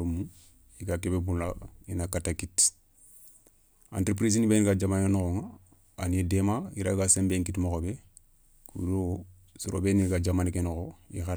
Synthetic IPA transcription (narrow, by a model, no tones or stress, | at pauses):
ɾumu | iɡakebebunlainakatakit | ã̰ntɾep̬ɾis̬inibeniɡad͡ʒamanenokoŋa | a̰niedemaiɾaɡasẽmbeŋkitimokobe | kṵdo | soɾʔo̰beniɡad͡ʒamanikenokoḭxaɾ